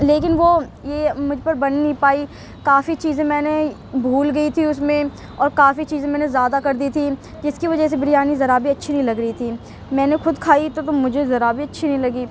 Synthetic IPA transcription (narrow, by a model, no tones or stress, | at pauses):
leːk̬ɪnʋojeːmʊd͡ʒʱpɐɾbɐnːɐɦĩpaːi | kaːfit͡ʃiːzẽmɛ̃ːne | bʱuːlɡɐit̪ʰiʊsmẽ | ɔːɾkaːfit͡ʃiːzẽmɛ̃ːnezjaːd̪akɐɾd̪iːt̪ʰi | d͡ʒɪskiʋɐd͡ʒəs̬ebɪɽijaːnizɐɾaːbiɐtːʃʰinɐɦĩlɐɡɾɐit̪ʰiː | mɛ̃ːnexʊd̪kʰaːit̪ot̪omʊd͡ʒʱezɐɾaːbiɐtːʃʰinɐɦĩlɐɡiː